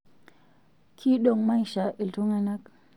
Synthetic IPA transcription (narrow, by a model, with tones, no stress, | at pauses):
kʰi˦ɗo˨ŋma˦jʃa˨ʔi˨ltu˦ŋa˦na˦k̚